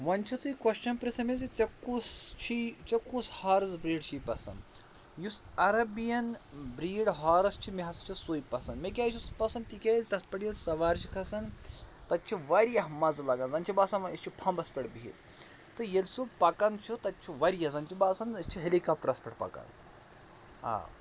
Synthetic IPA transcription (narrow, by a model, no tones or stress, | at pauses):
ʋɐnt͡ʃʰit̪ujkwɐʃt͡ʃɐnpɾisɐmezit͡sɐkːust͡ʃʰit͡ʃɐkːushaːɾzbɾiːɽt͡ʃʰijpɐsɐ̰n | jusɐɾɐbijɐnbɾiːɽɦaːɾɐst͡ʃʰimiɦɐst͡ʃʰisujpɐsɐnmek̬ʲaːt͡ʃʰispɐsɐnt̪ikʲaːzʲt̪ɐspɐɽijɐlsɐʋaːɾt͡ʃʰikʰɐsɐnt̪ɐt̪̚t͡ʃʰiʋɐɾjɐɦmɐzlɐɡɐnzɐnt͡ʃʰibasɐnɐst͡ʃʰipʰɐmbɐspʲeɽbiḭl | t̪ɨjelsubpɐkɐnt͡ʃʰut̪ɐt̪̚t͡ʃʰiʋɐɾijɐzɐnt͡ʃʰibaːsɐnɐst͡ʃʰiɦelikaːp̚ʈɐɾɐspɐʈpɐ̰kɐ̰n | a̰ː